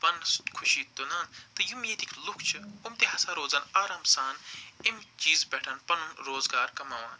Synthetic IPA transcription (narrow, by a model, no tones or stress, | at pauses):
pɐnskʰʊʃiːt̪unaːnt̪ɨjumeːt̪iklʊkʰt͡ʃʰɨumt̪eɦɐsaːɾoːzɐːnaːɾaːmsaːnimt͡ʃiːzbɛːʈʰɐːnpɐnunɾoːzɡaːɾkɐmɐːʋa̰ːn